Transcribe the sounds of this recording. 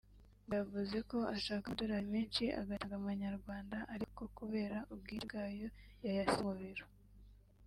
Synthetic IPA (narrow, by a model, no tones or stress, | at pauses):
navuze̞ko̞aʃaːkadoɾaimeːnt͡ʃiʔa̰ɡataɡamaɲaɾɡwaːndaʔaɾiko̞kuβe̞ːɾaʔub̚ɡiːɾɡaːjo̞jajasimuβiɾo̥